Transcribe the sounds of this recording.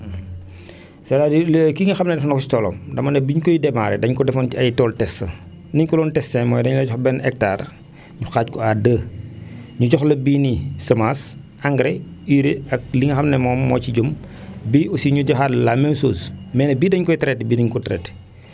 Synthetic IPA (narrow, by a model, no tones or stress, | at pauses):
sɛlaːdilkiŋɐxɐmnɛdɛfɔnkɔsi̥tɔːlɔ̰ːmdɐmɐnɛbiɲkɔjdɛmaːɾɛdɐɲkɔdɛfɔniɐjtɔːltɛstɐ̰ | dɐɲkɔlɔntɛstɛmɔːjdɐɲlɐɟɔxbɛnɛk̚taːr | ɲuxaːckɔadəː | ɲuɟɔxlɐbinisɐmas | aŋɡɾɛiːɾeɐk̚liŋɐxɐmnɛmɔːmːɔːt͡ʃiɟum | biusiɲuɟɔxadlamɛmsoːsmɛːnɐbiːdɐɲkɔjtɐɾɛtbidɐɲkɔtɾɛ̰t